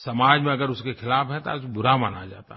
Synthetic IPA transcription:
sɐmaːd͡ʒmẽɐɡəɾʊskexʰɪlaːfɦɛ̃t̪oa̰sbʊɾamaːnad͡ʒaːt̪a

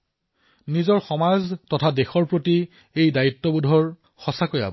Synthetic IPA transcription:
nizɔɹxɔmaztɔtʰadexɔɹpɹoti | ejdaitːɔbudʱɔɹ | xɔsakoja̰bɔ

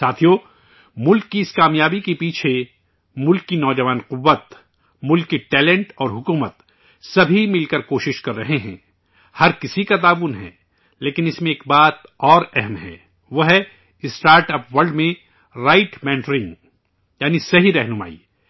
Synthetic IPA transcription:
saːt̪ʰijoː | mʊlkːiɪskaːmjaːbikepiːt͡ʃʰe | mʊlkːinɔːd͡ʒɐʋaːnqʊʋːət̪ | mʊlkːiʈɛːlɛ̃ɳʈɔːɾɦʊkuːmət̪ | sɐbʱimɪlkɐɾkoːʃɪʃkɐɾːɐɦeɦɛ̃ː | hɐɾkɪsikat̪̬aːʋʊnɦɛ̰̃ː | leːkɪnɪsmẽeːkbaːt̪ɔːɾɛɦɛmɦɛ̰̃ː | ʋoɦɛ | ɪsʈaːɾʈɐpʋɐɾɖmẽ | ɾaːɪʈmɛ̃ːɳʈɾɪ̃ŋɡ | jaːnisɐɦiɾɛɦnʊma̰ːḭː

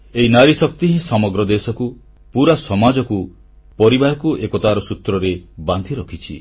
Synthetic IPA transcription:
eɦinaɾisɔk̚t̪iɦĩsɔmɔɡɾɔd̪esɔku | puɾasɔmad͡ʒɔku | pɔɾibaɾɔkuʔekɔt̪aɾɔsut̪ɾɔɾeband̪ʱiɾɔkʰit͡ʃʰḭ

